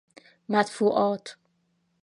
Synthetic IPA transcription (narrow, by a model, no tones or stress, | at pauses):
mæt̪fuːʔɒːt̪ʰ